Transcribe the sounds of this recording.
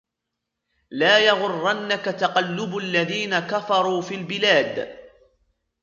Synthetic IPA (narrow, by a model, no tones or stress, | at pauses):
laːjɑɣʊrˤːanːakat̪ɑqɑlːʊbʔalːaðiːnakafɑɾˤuːfiːlbɪlaːd̪